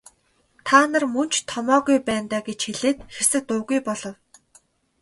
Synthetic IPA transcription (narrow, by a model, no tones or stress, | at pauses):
t̪ʰaːnə̆rmɵn̥t͡ɕʰt̪ʰɔmɔːɣujpæːnt̪aːɡet͡ɕxeɮeːt̪xersɘ̆k̚t̪ʊːɣujpɔɮɞ̆w